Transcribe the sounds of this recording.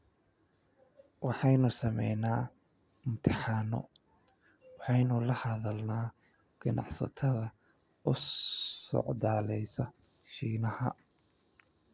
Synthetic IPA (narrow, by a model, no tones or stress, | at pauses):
wɑħɑjnʊsɐmɛ̰jnaː | mʊt̪ʰɪħɑːnɔ̰ | wɑħɑjnʊlɐhɐðɐlnaː | ɡ̥ɐnʔɑ̰ʕsɐ̰t̪ʰɐðɐ | ʊ | ɔ̰ʕd̪aːlɛjsɐ | ʃiːnɐhɐ